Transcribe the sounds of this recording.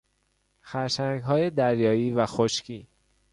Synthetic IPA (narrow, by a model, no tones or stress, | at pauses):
xæɾʃæŋɡɦɒːjed̪æɾjɒːjiːvæxoʃcʰiː